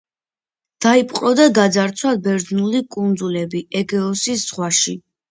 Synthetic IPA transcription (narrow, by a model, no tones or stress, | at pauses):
d̪̥aipʼqʼɔd̪aɡad̪zaɾt̪sʰwabɛɾd̪znulikʼund̪zulɛbiɛɡɛɔsisz̥ʁwaʃi